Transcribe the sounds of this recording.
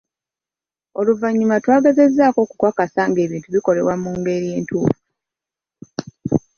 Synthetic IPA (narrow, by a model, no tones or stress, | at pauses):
o̞luvaɲːumatwaːɡeze̞zːaːko̞ːku̥kwakasaŋɡe̞ːβiːntuβiko̞le̞̰wamuːŋɡe̞ɾie̞ːntʰuːfu